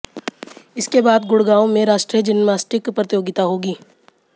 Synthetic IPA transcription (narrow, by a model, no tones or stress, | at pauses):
ɪskebaːd̪ɡʊɽɡaːõmẽɾaːʃʈɾijəd͡ʒɪnmaːsʈɾɪkpɾət̪joːɡɪt̪aɦoːɡiː